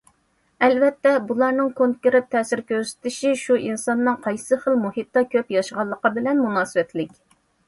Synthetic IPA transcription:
ɛlvɛt̪ːɛbulˠɑɾnɨŋkʰoŋkʲeɾɪt̪ʰːɛːsɪɾkʲøɾsɪ̥t̪ɪʃiʃuʔinsɑnːɨŋqʰɑjsɨχəlˠmuhit̪ːɑkʲʰøpjɑʃəʁɑlˠːəqəbɪlɛnmunɑːsɨwɛt̪lɪkʲ

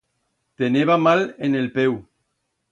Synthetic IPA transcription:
t̪eneβamalenelpew

